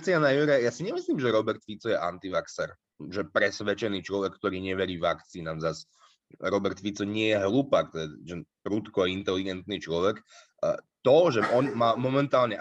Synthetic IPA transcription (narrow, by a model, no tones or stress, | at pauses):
t͡sianajuɾɛjasiɲɛmisliːmʒɛɾɔbɛɾt̪fit͡sɔjɛʔant̪iʋaksɛɾ | ʒɛpɾɛsʋɛt͡ʃɛniːt͡ʃlɔʋɛkːt̪ɔɾiːɲɛʋɛɾiːʋakt͡siːnamzas | ɾɔbɛɾt̪fit͡sɔɲɪɛjɛɦlupak̚t̪ɛd̪ʒɛpɾut̪kɔaint̪ɛliɡɛnt̪niːt͡ʃlɔʋɛk | t̪ɔʒɛɔnmaːmɔmɛnt̪aːlɲɛ